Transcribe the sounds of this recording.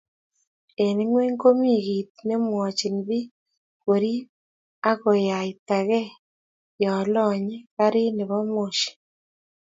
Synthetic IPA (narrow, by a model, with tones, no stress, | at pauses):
e˨ne˦ŋwe˦ŋko˦mi˦˨ɣi˨tne˦mwɔ˨t͡ʃi˨nβi˦ | ko˨ɾi˦ | a˦ɣo˨ja˨i˨ta˨ɣɛ˦ | jɔ˨lɔ˨ɲɛ˦ka˦ɾi˦ne˨βɔ˦mo˨ʃi̥˨